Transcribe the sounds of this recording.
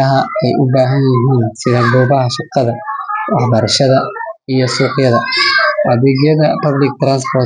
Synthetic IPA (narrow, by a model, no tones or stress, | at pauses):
ɐɦɐɛjʔʊbaːɦɐnjɪɦiːnsɪðɐɡɔːbɐɦɐʃɑqːɑðɐwɑħbɐɾɐʃɐðɐijɔsuːqɪjɐðɐʔɐðɛːɣjɐðɐpɐblɪk̚t̪ɾanspɔr